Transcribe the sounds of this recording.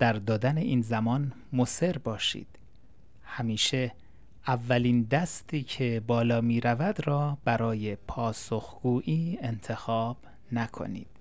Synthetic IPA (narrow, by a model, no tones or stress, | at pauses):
d̪̥æɾd̪ɒːd̪æne̞ʔiːnzæmɒːn | mose̞ɾbɒːʃḭːd̪̥ | hæmiːʃe | ævːæliːnd̪æst̪iːcʰe̞bɒːlɒːmiːɾævæd̪rɒːbæɾɒːjepʰɒːso̞xɡ̥uːʔiːent̪ʰe̞xɒːb̥ | nækʰo̞̰nḭːd̪̥